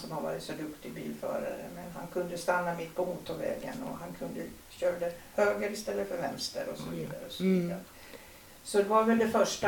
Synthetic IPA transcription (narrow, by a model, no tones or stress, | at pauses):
sɔmhaɾvɑ̰ːɾɪt̪sɔd̪ɵkt̪ɪɡbiːlfœ̰ːɾa̰ɾəmɛnɦankʰɵnd̪əst̪anːamɪt̪ːpʰɔuːt̪ʰːɔvɛ̰ːɡə̰nɔɦankʰɵnd̪ə | ɕøːɾd̪əhøːɡəɾɪst̪ɛlːəfœɾvɛnst̪ə̰ɾɔsɔviːd̪aɾəɔsɔviːd̪aɾə | sɔd̪ɛvaɾvɛld̪ɛfœʂʈa